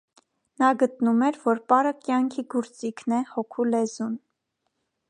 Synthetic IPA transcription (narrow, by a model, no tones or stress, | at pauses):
nɑɡət̪numɛɾvɔɾpɑɾəkjɑŋkʰiɡɔɾt͡sikʰnɛhɔkʰulɛzun